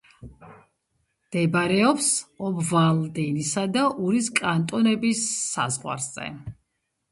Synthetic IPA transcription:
d̪̥ɛbɾɛɔpsɔbvalˠd̪ɛnisad̪aʔuɾiskʼant̪ʼɔnɛbisːa̰zʁwa̰ɾz̥ɛ̰

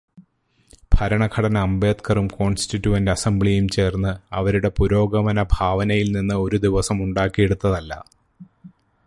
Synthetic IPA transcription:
b̥ʱɐɾɐɳɐɡʰɐɽɐnɐɐmbe̞ːt̪kɐrumko̞ːnstitːuɐndɐsɐmbɭijumt͡ɕe̞ːrnːɨɐʋɐɾuɽe̞puɾo̞ːɡɐmɐnɐbʱaːʋɐnɐjilninːɨo̞ɾud̪iʋɐsɐmuɳɖaːkːijeɽut̪ːɐðɐlːɐ̰

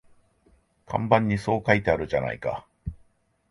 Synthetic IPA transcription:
kʰã̰mbãɲ̟ːiso̞ːkait̪e̞aɾɯ̟ʑana̰ika̰

